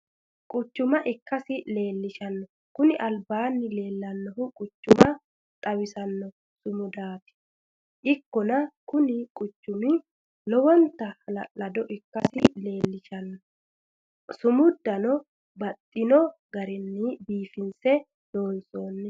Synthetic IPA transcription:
kʼʊt͡ʃːʊmɐʔɪkːɐsɪle̞ːlːɪʃɐnːɔ | kʊnɪʔɐlbaːnːɪle̞ːlːɐnːɔɦʊkʼʊt͡ʃːʊmɐ | t̪ʼɐwɪsɐnːɔ | sʊmʊd̪aːt̪ɪ̥ | ʔɪkːɔnɐkʊnɪkʼʊt͡ʃːʊmɪ | lɔwɔnt̪ːɐlɐd̪ɔʔɪkːɐsɪle̞ːlːɪʃɐnːɔ | sʊmʊd̪ːɐnɔ | bɐt̪ʼːɪnɔɡɐɾɪnːɪbiːfɪnsɛ | do̞ːnso̞ːnːɛ

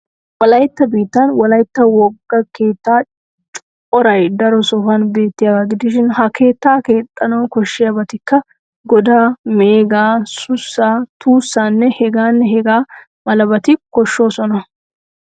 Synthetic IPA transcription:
wɔlɐjt̪ːɐbiːt̪ːɐnwɔlɐjt̪ːɐwɔɡːɐke̞ːt̪ːaː | t͡ʃʼʊ | ɔɾɐjd̪ɐɾɔsɔfɐnbe̞ːt̪ːɪjaɡaɡɪd̪ɪʃɪnhɐkʰe̞ːt̪ːaːke̞ːt̪ʼːɐnɐwkɔʃːɪjabɐt̪ɪkːɐ | ɡɔd̪aːmeːɡaːsʊsːaːt̪ʰuːsːaːnːɛhɛɡaːnːɛhɛɡaː | mɐlɐbɐt̪ɪkɔʃːo̞ːsɔnɐ

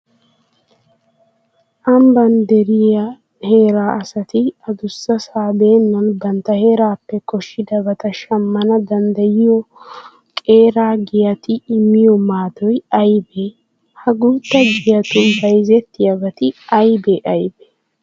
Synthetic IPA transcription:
ʔɐmbɐnd̪ɛɾɪjɐ | he̞ːɾaːʔɐsɐt̪ɪɐd̪ʊsːɐsaːbe̞ːnːɐnbɐnt̪ːɐhe̞ːɾaːpːɛkɔʃːɪd̪ɐbɐt̪ɐʃɐmːɐnɐd̪ɐnd̪ɐjɪjɔ | kʼe̞ːɾaːɡɪjɐt̪ɪɪmːɪjɔmaːd̪ɔjɐjbe | hɐɡuːt̪ːɐɡɪjɐt̪ʊnbɐjzɛt̪ːɪjɐbɐt̪ɪɐjbɛʔɐjbɛ̥

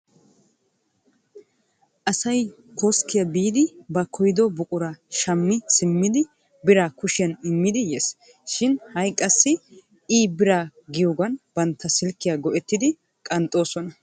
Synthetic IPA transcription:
ʔɐsɐj | kʰoskːɪjɐbiːd̪ɪbɐkʰɔjd̪ɔbʊkʼʊɾɐʃɐmːɪsɪmːɪd̪ɪ | bɪɾaːkʊʃɪjɐnɪmːɪd̪ɪjes | ʃɪnhɐjkʼːɐsːɪ | iːbɪɾaːɡɪjoːɡɐnbɐnt̪ʰːɐsɪlkːɪjaːɡɔʔɛt̪ːɪd̪ɪ | kʼɐnt̪ʼːo̞ːsɔnɐ

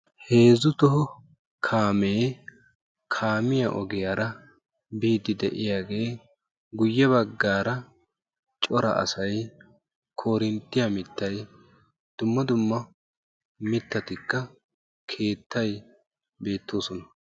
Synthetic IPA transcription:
he̞ːzʊt̪ɔhɔ | kʰaːmeː | kʰaːmɪjɐ̰ʔɔɡɪjaːɾɐ | biːd̪ɪd̪ɛʔɪjaːɡe̞ː | ɡʊjːɛβɐɡːaːɾɐ | t͡ʃʼɔɾɐ̰ʔɐ̰sɐj | kʰoːɾɪnt̪ːɪjɐmɪt̪ːɐj | d̪̥ʊmːɐd̪ʊmːɐ | mɪt̪ːɐt̪ɪkːɐ | kʰe̞ːt̪ːɐj | be̞ːt̪ːo̞ːsɔnɐ

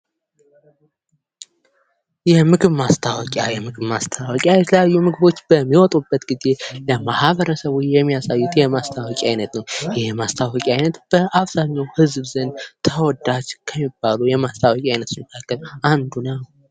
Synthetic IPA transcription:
jɛmɨɡɨβmast̪ʰawɔkʼjajɛmɨɡɨβmast̪ʰawɔkʼjajɛt̪ʰələjajːumɨɡɨβo̞t͡ʃːb̥əmːiwɔt̪ʼubːət̪ɡize̞ləmahβəɾəsəβujɛmːijasajːut̪jɛmast̪ʰawɔkʼajnət̪nəwjɛmast̪ʰawɔkʼiajnət̪b̥əʔaβz̥aɲːawhɨzbzənt̪ʰəwɔd̪ːat͡ʃːkʰəmːibːalujɛmast̪ʰawɔkʼajnət̪siməkʰakːəland̪unəw

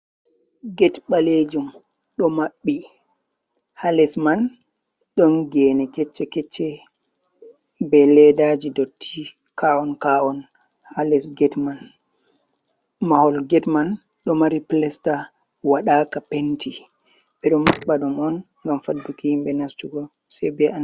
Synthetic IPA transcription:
ɡɛtɓaled͡ʒum | ɗɔmaɓːi | halɛsman | ɗɔnɡɛnɛkɛt͡ʃːɛkɛt͡ʃːɛ | bɛlɛdad͡ʒidotʰːi | kaɔnkaɔn | halɛsɡɛtman | mahɔlɡɛtman | ɗɔmaɾiplɛsta | waɗaːkapentʰi | ɓɛɗɔmmaɓːaɗumɔn | ŋɡamfadːukihimɓɛnastuɡɔ | sajbɛan

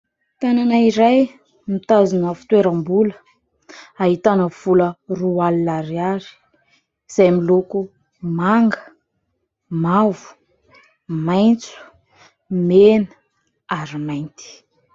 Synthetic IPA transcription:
t̪ananaiɾaj | mit̪azinafi̥t̪weɾambulə̥ | aɦit̪anəv̥ulərualinaɾiaɾi̥ | z̥ajmiloku | maŋɡə | mavu̥ | majnt͡su̥ | menə | aɾimajnt̪i̥

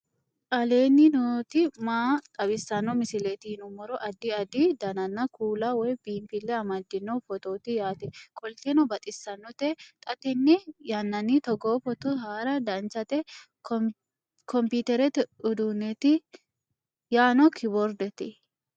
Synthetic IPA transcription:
ʔɐleːnːɪnɔt̪ɪmaːt̪ʼɐbɪsːɐnːɔmɪsɪlet̪ɪhnʊmɔɾɔʔɐd̪ɪɐd̪id̪ɐnɐnːɐkuːlɐwɔjbiːmpɪlːɛɐmɐd̪ːɪnːɔfɔt̪oːt̪ɪjaːt̪ɪkʼɔlt̪ɛnɔbɐt̪ʼɪsːɐnːɔt̪ɛt̪ʼɐt̪ɛnːɪjɐnːɐnːit̪ɔɡoːfɔt̪ɔɦaːɾɐd̪ɐnt͡ʃɐt̪ɛ | kʰɔmpit̪ɛɾɛt̪ɪʊd̪uːnːɛt̪ɪ | jaːnɔkʰɪbɔɾd̪ɛt̪ɪ

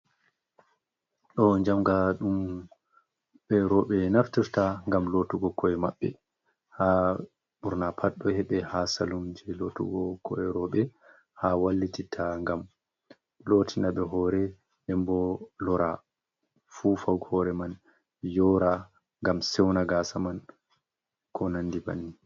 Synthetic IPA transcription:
ɗɔɲd͡ʒamɡaɗum | ɓɛɾɔɓɛnaftiɾtaŋɡamlotuɡɔkʰɔɛma̰ɓːɛ̰ | ha | ɓuɾnapʰaɗːɔhɛɓɛhasalumd͡ʒɛlotṵɡɔkʰɔ̰ɛɾɔɓɛ | hawalːititʰaŋɡam | lotʰinaɓɛɦɔɾɛ | ɛmbɔlɔɾa | fufawɡhɔɾɛman | jɔːɾa | ŋɡamsɛwnaɡasaman | kʰɔnanːdiba̰nːi

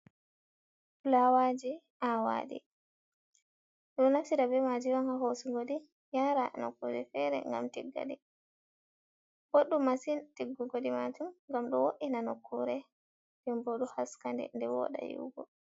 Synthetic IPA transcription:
lawad͡ʒi | awa̰ːɗḭ | ɗunnafsiɾabɛmad͡ʒiwanhahosuɡoɗi | jaɾanɔ̰kːɔd͡ʒɛfɛɾɛ̰ŋɡa̰mtiɡːa̰dɛ | boɗumasintiɡːuɡoɗimad͡ʒumŋɡamɗɔwoʔinanɔkʰːuɾɛ | dɛmboɗuhaskandɛ̰ndɛwɔ̰ɗa̰jṵɡɔ̰

